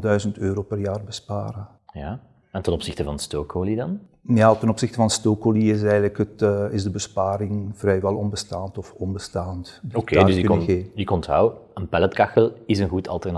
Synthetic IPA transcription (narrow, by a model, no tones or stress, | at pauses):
dœɥzəntøːɾoːpərjaːrbəspaːɾə | jaː | ɛntənɔpsɪxtəvɑnəstoːkoːlidɑn | jaːtənɔpsɪxtəvɑnəstoːkoliɪsɛjɣdləkətːɪzdəbəspaːɾɪŋv̥rɛjʋɛlˠɔnbəstaːntɔfɔnbəstaːntdiokeːkəɣeːvəəkɔntɦa̰wənpɛlətkɑxəlɪzənɣutʰɑ̰lˠtərn